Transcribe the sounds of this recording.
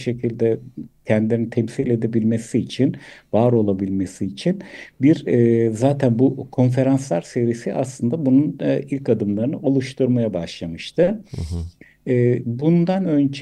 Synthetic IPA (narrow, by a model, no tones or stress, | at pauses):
ʃe̞cʰilʲd̪ɛcʰɛnd̪ilenit̪ʰɛmsilʲe̞d̪e̞bilʲmesiːt͡ʃʰinvaːɾo̞lˠabilʲmesiːt͡ʃʰinbiɾzaːt̪ʰænbukʰo̞nfe̞ɾanslˠaɾsevɾisiʔaslˠɯnd̪abununilʲkad̪ɯmlˠaɾɯnɯolˠuʃt̪ʰuɾmajabaʃlˠamɯʃt̪ʰɯ | bund̪anønd͡ʒ